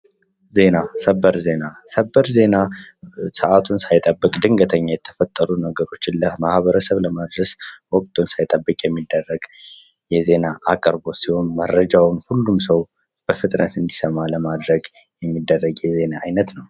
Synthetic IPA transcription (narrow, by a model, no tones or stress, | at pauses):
ze̞nasəbːəɾze̞nasəbːəɾze̞nasɨʔat̪ʰunsajt̪ʼəbːɨkʼd̪ɨŋɡət̪ʰəɲːajɛt̪ʰəfət̪ʼːəɾunəɡəɾo̞t͡ʃːɪnləmahβəɾəsəβləmad̪ɾəswɔkʼt̪ʰunsajt̪ʼəbːɨkʼjɛmːid̪ːərːəɡ | jɛze̞naakʼəɾbo̞t̪siho̞nmərːəd͡ʒawnhulːumsəw | b̥əfɨt̪ʼnət̪ɨnd̪isəmaləmad̪ɾəɡ | jɛmːid̪ːərːəɡjɛze̞naːjnət̪nəw